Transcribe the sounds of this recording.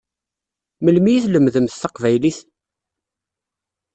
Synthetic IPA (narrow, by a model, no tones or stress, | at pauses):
məlmijiθləmðəmθθɑqvæjliθ